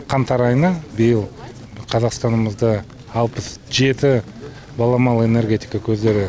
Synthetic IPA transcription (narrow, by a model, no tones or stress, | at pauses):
qʰɑnt̪ɑɾɑjnɑbejɪlˠ | qʰɑzɑqst̪ɑnəməzd̪əː | lˠpəsʒe̞t̪ɪ | bɑlˠɑmɑlˠe̞ne̞rɡʲe̞t̪ʲijkakʲʰɵzd̪e̞ɾɪ